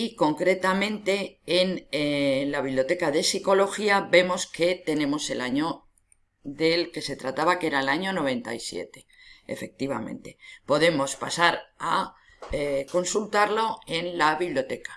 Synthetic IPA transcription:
iko̞ŋkɾe̞t̪amẽ̞nt̪e̞ːn | laβiβljo̞t̪e̞kaðe̞siko̞lo̞xiabe̞mo̞ske̞t̪e̞ne̞mo̞se̞laɲo̞ | ðe̞lke̞se̞t̪ɾat̪aβake̞ɾaelaɲo̞no̞β̞e̞nt̪a̰isje̞̰t̪e̞̥ | ḛfe̞k̚t̪iβa̰mḛ̃nt̪e̞po̞ðe̞mo̞spasaɾa | eko̞nsult̪aɾlo̞e̞nlaβiβljot̪e̞kḁ

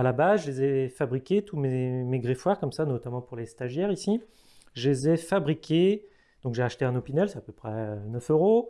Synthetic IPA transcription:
alabazʒlezɛfabʁikʲet̪umemeɡʁefwaʁkɔmsanɔt̪amɑ̃puʁlest̪aʒjɛʁisi | ʒezɛfabʁikʲe | d̪̥ɔ̃kʒeaʃt̪eɛ̃nɔpinɛlsɛapøpχɛnœføʁo

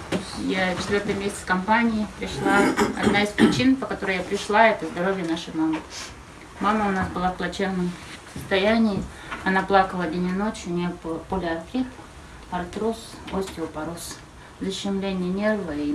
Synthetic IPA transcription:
t̪osʲjat͡ɕʲɪt̪vʲort̪ɨjmʲesʲɪ̥skɐmpanʲɪɪpɾʲɪʂlˠaɐ̰d̪naɪspɾʲɪt͡ɕinpəkɐt̪oɾɨjapɾʲɪʂlˠaɛt̪əzd̪ɐɾo̞vʲɪjənaʂɨjmamɨ | maməʊnasbɨlˠaplˠɐt͡ɕernːɨmsəst̪ɐjænʲɪɪ | ɐnaplˠakəlˠədʲenʲɪno̞t͡ɕjʊnʲeppulʲɪɐrt̪ʲip̪ | ɐrt̪ɾus | osʲtʲɪʊpɐɾos | zəɕːɪmlʲenʲɪjənʲe̞rvəi

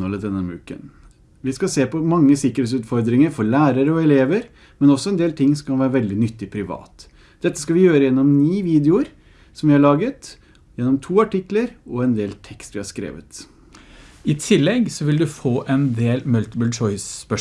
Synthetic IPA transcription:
ɔləd̪ɛnːəmʉ̰ːkə̰n | ʋɪskɑseːpɔmɑŋːəsɪkːəɾheːt̪sʉːt̪fɔɾd̪ɾɪŋəɾfɔɾɭæːɾəɾɔɛleːʋəɾ | mɛnɔsːɔɛnd̪eːlt̪ʰɪŋːsɔmkʰɑnʋæːɾəʋɛld̪ɪnʏt̪ːɪpʰɾɪʋɑ̰ːt̪ | d̪̥ɛt̪ːəskɑʋɪjøːɾəjɛnːɔmniːʋiːd̪ɛʊɾ | sɔmʋɪhɑɭɑːɡət̪ | jɛnːɔmt̪ʰuːɑʈɪkləɾɔɛnd̪eːlt̪ʰɛkst̪ʋɪhɑʂkɾḛːʋə̰t̪ | ɪt̪ʰɪlːɛɡsɔʋɪld̪ʉfoːʔɛnd̪eːlmʉlt̪əbʉlt͡ʃɔɪspœ

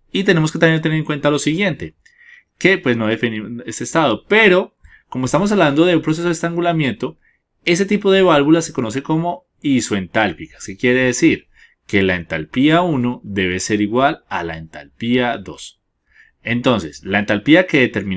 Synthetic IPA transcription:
it̪e̞ne̞mosket̪amjent̪eneeŋkwe̞nt̪alo̞siɣje̞nt̪e̞ | ke̞pwe̞sno̞ðefiniesest̪aðo̞pe̞ɾo̞ | komoest̪amos̬aβland̪o̞ðe̞umpɾose̞s̬oest̪aŋɡulamje̞nt̪o | e̞s̬e̞t̪ipo̞ðe̞β̞alβulase̞ko̞no̞s̬e̞ko̞mo̞ | isoe̞nt̪alpikḁskekjeɾe̞ðesiɾ | ke̞lae̞nt̪a̰lpiauno̞ðe̞β̞e̞se̞ɾiɣwala̰la̰ent̪a̰lpiaðo̞̰s | e̞nt̪o̞nse̞slaent̪alpiake̞ðet̪e̞ɾmĩn

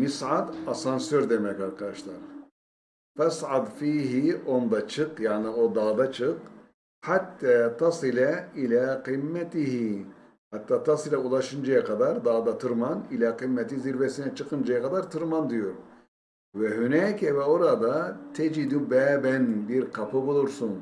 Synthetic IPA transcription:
misʕad̪asansøɾd̪emɛcaɾkʰad̪aʃlˠaɾ | fasʕad̪fiːɦio̞nd̪at͡ʃʰɯqjaːnio̞d̪aːd̪at͡ʃʰɯq | hat̪ʰːaːt̪ʰɑsɨlɛilæːqimːɛt̪iɦi | hat̪ʰːaːt̪ʰɑsɯlʲaulˠaʃɯnd͡ʒajakʰad̪aɾd̪aːd̪at̪ʰɯɾmanilʲæːqimːɛt̪iziɾvɛsinɛt͡ʃʰɯqɯnd͡ʒajakad̪aɾt̪ʰɯɾmand̪ijoɾ | vɛɦynɛːkʰɛvɛo̞ɾad̪at̪ʰɛd͡ʒid̪ubæːbænbiɾkʰapɯbulˠuɾsun

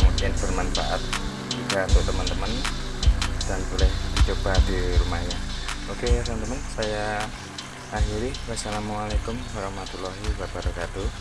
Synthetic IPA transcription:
mudɪnb̥ərmanfa̰ʔat̪̚ | d͡ʒikaunt̪ʊʔt̪əmənt̪əmən | d̥anbolɛhd̥i̤t͡ʃob̥adiɾumajaokeasamt̪əmənsaja | ɦiɾɪhwasalamualekʊmwaɾɑhmat̪ulɔɦibabaɾakad̪̥o

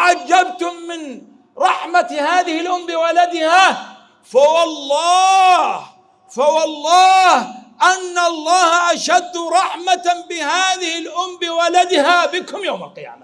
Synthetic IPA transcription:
ʕad͡ʒːabt̪ʊmːɪn | ɾˤɑħmat̪haːðɪhɪlʔʊmːbɪwalad̪ɪha | fawɑlˤːɑːh | fawɑlˤːɑːhʔanːaɑlˤːɑːhaʔaʃad̪ːɾˤɑħmat̪bɪhaːðɪhɪlʔʊmːbɪwalad̪ɪhabɪkʊmjawma̰lqɪja̰ːma

